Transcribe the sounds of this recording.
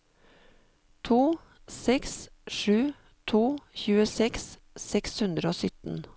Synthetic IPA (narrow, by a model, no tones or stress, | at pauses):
t̪ʰuː | sɛksʃʉː | t̪ʰuːçʉːəsɛks | sɛkshʉnd̪ɾəoːsʏt̪n̩